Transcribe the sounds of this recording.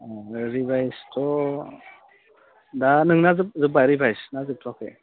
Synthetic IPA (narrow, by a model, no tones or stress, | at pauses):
ɾibʱajstɔ | danɯŋnazɯp̚zɯbajɾibajsnazɯp̚tʰɔkḛ